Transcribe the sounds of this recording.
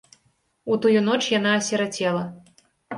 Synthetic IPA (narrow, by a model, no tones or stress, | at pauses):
ut̪ujunɔt͡ʂjan̪aːsʲɛɾat͡sʲɛlˠɐ